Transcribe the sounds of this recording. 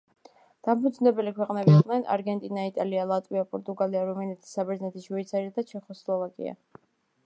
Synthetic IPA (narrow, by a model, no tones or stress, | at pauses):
d̪̥ampʰud̪znɛbɛlikʰwɛqʼnɛbiqʼnɛna̰ɾɡɛnt̪ʼinait̪ʼalialˠat̪ʼwiapʼɔɾt̪ʼuɡaliaɾumaniɛt̪ʰi̥sabɛɾdznɛt̪ʰisʃwuit̪sʰaɾiad̪at͡ʃʰɛχɔslˠɔvakʼḭa̰